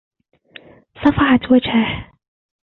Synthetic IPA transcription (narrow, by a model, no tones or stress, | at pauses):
sˤɑfɑʕɑt̪wad͡ʒhah